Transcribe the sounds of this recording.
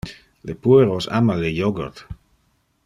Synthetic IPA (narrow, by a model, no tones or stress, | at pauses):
lepueɾosa̰malejoɡḛɾt̪